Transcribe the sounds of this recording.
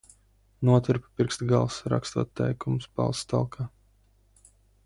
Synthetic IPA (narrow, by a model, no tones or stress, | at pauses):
nuɔt̪iɾppiɾkst̪ɡalˠsɾa̰kst̪uɔt̪ːɛjkumsba̰lˠst̪alˠkʰaː